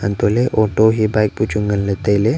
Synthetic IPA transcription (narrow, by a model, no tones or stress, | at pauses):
ɐ̰nt̪oleʔoʈoɦibajk̚put͡ʃʰuŋɡənlet̪ele